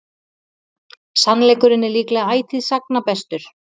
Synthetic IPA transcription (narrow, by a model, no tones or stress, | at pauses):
sanlɛːjkʏɾɪnːɛɾliːklaaːjt̪ʰɪðsaknapɛst̪ʏɾ̥